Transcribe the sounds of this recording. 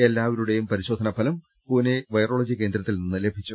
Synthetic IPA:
elːaːʋɐɾuɽe̞jumpɐɾiɕo̞ːd̪ʱɐnɐpːɐlɐm | puːneʋɐjro̞ːɭɐd͡ʑike̞ːnd̪ɾɐt̪ːilninːɨle̞bʱit͡ɕːu

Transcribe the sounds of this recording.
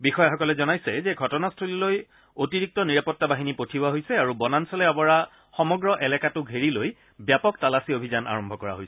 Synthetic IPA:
bixɔjaxɔkɔlɛzɔnajsɛzɛɡʱɔtɔnastʰuliloj | otiɹik̚tɔniɹapɔtːabaɦinipotʰibʊaɦojsɛaɹubɔnansɔlɛɔbɔɹa | xɔmɔɡɹɔʔɛlɛkatʊɡʱeɹiloj | bjapɔktalasiobʱizana̰ɹɔmbʱɔkɔɹa̰ɦojsɛ̥

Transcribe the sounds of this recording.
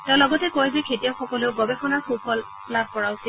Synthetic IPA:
tɛʊ̃lɔɡɔtɛkojbɛkʰetijawxɔkɔleʊɡɔbɛxʰɔnaxupɔl | plab̚ʱkɔɹaʊsi

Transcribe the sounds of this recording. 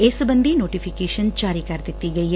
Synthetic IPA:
eːsɐbɐnd̪ʱinoːʈipʰikeːʃɐnd͡ʒaːɾikaːɾt̪it̪ːiɡɐjɐ

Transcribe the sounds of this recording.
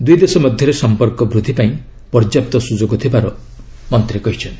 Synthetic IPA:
d̪ujd̪esɔmɔd̪ʱjɔɾesɔmpɔɾkɔbɾud̪ʱipaĩ | pɔɾd͡ʒjap̚t̪ɔsud͡ʒoɡɔt̪ʰibaɾɔ | mɔnt̪ɾekɔɦit͡ʃʰɔnt̪i̥

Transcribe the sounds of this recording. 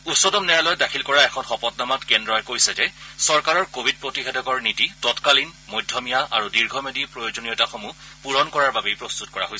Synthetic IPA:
utsɔdɔmnɛɹalɔjdakʰilkɔɹaɛkʰɔnxɔpɔtnamatkɛndɹɔɛkojsɛd͡ʒɛsɔɹkaɹɔɹkobʱid̚pɹotixedɔkɔɹnititɔtkalinmojdʱːjɔmijaʔaɹudiɹɡʱɔmedipɹojod͡ʒonijɔtaxomu | puɹɔnkɔɹaɹbabejpɹost̪utkɔɹa̰ɦojs

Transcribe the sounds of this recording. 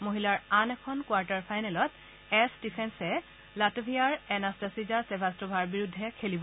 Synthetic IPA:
moɦilaɹanɛkʰɔnkwaɹtaɹpʰajnɛlɔt | ɛsdipʰɛnsɛ | latobʱijaɹɛnastasizaɹsɛbʱastɔbʱaɹbiɹudʱːɛkʰelibɔ

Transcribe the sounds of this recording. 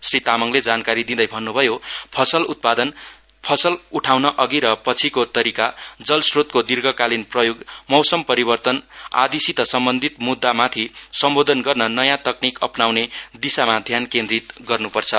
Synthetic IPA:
srit̪amʌŋled͡zankaɾid̪id̪ʌjbʱʌnːubʱʌjopʰʌsʌlut̪̚pad̪ʌn | pʰʌsʌluʈʰawnʌʔʌɡiɾʌpʌt͡sʰikot̪ʌɾikad͡zʌlsrot̪̚kod̪irɡʌkalinprʌjoɡmʌwsʌmpʌɾibʌrt̪ʌna̰d̪isit̪ʌsʌmbʌnd̪ʱit̪mud̪ːamat̪ʰisʌmbod̪ʱʌnɡʌrnʌnʌjãt̪ʌknikʌ̰pnawned̪isamad̪ʱjankẽnd̪rit̪ɡʌrnupʌrt͡sʰʌ

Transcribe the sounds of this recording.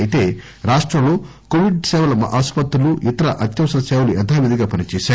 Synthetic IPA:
jit̪e̞ː | ɾaːʂʈɾɐmlo̞ː | koʋiɖsɛːʋɐlɐmɐʔaːspɐt̪ɾuluʔit̪ɐɾɐʔɐt̪jɐmsɐɾɐsɛːʋɐluɛt̪ʰaːʋid̪iɡaːpɐnit͡ʃɛːʃaː

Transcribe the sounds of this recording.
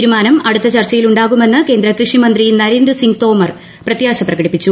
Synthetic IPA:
iɾumaːnɐmɐɽut̪ːɐt͡ɕɐrt͡ɕːɐjiluɳɖaːɣume̞nːɨke̞ːnd̪ɾɐkrɨʂimɐnd̪rinɐɾend̪rɨsiŋɡt̪o̞ːmɐr | prɐt̪jaːɕɐprɐɣɐɽipːit͡ɕːu

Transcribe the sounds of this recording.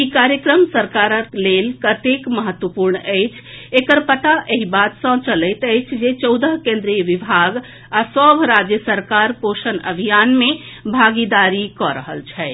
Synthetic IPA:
ikaɾjəkɾəmsəɾkaɾəklelkət̪ekməɦət̪wəpuɾɳəɪt͡ʃʰekəɾpət̪aʔeɦibat̪sə̃t͡ʃələt̪əɪt͡ʃʰd͡ʒet͡ʃɔʊd̪əɦkẽnd̪ɾijəʋibʱaɡ | asəbʱɾad͡ʒjəsəɾkaɾpoʃənə̰bʱijanmẽ | bʱaɡid̪aɾikɔɾə̰ɦə̰lt͡ʃʰɛ

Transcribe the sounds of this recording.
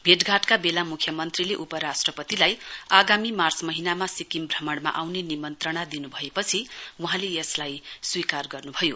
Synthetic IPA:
bʱeʈɡʱaʈkabelamukʰjʌmʌnt̪rileʔupʌɾasʈrʌpʌt̪ilajaɡamimart͡smʌɦinamasikimbʱrʌmʌɽma̰ʔawnenimʌnt̪rʌɽ̃ad̪inubʱʌepʌt͡sʰiuɦãleʌslajswikarɡʌrnubʱʌjo

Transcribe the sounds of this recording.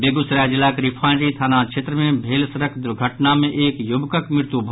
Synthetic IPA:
beːɡʊsɾaːd͡ʒɪlaːkɾɪpʰaːnɾit̪ʰaːnãt͡ʃʰeːt̪ɾəmẽbʱeːlsɐɾəkʰd̪ʊɾɡʱəʈnamẽʔeːkjʊbkəkmɪɾt̪ubʱ

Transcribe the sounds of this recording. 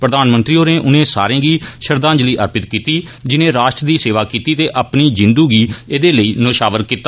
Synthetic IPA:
pɾəd̪aːnmənt̪ɾiːoːnẽːʔʊnẽːsa̰ːɾẽːɡiːʃəɾd̪ãːnd͡ʒliːʔə̰ɾpɪt̪kiːt̪iː | d͡ʒɪnẽːɾaːʃʈɾd̪iːseːʋaːkiːt̪iːt̪eːʔapniːd͡ʒɪ̃nd̪uːɡiːeːd̪eːləiːnoːʃaːʋəɾkiːt̪ːaː

